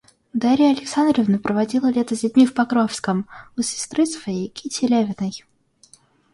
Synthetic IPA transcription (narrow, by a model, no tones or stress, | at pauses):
d̪aɾʲɪjɐlʲɪksand̪rəvnəpɾəvɐdʲilˠəlʲet̪əzʲdʲɪd̚ʲmʲifpɐkɾofskəmʊsʲɪ̥st̪ɾɨsvɐjejkʲitʲɪlʲavʲɪnəj